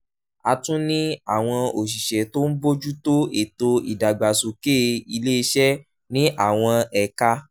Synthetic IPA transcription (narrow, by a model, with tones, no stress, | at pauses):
a˧tũ˦nĩ˦a˦˨w̃ɔ̃˧o˨ʃ̬i˨ʃɛ˨to˦n̩˦bo˦d͡ʒu˦to˦e˨to˧ḭ˨da˨ɡ͡ba˨so˨ke˦˧i˧le˦i˧ʃɛ˦ | nĩ˦ʔa˦˨w̃ɔ̃˧ɛ˨ka˧